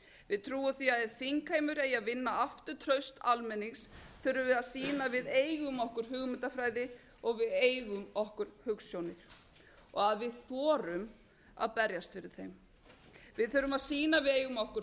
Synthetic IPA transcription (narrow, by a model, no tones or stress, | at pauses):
vɪðt̪ʰɾuːʏθiaðɛðfiŋkheːjmʏɾɛjaðvɪnːaaft̪ʏɾ̥t̪ʰɾœɥst̪almɛnːisθœɾʏvɪðaðsiːnavɪðeːjɣʏmɔhkʏɾ̥hʏɣmʏnt̪afɾaːjðɪ | ɔɣvɪðeːjɣʏmɔhkʏɾ̥hʏksjownɪɾ̥ | ɔ̰ɣaðvɪðθɔːɾʏm | a̰ðpɛɾjast̪fɪɾɪɾ̥θejm | vɪðθœɾʏmaðsiːnavɪðeːjɣʏmɔhkʏɾ